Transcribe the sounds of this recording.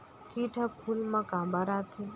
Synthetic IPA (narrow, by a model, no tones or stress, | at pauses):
kiʈʰəpʰulmãkãmbəɾat̪ʰi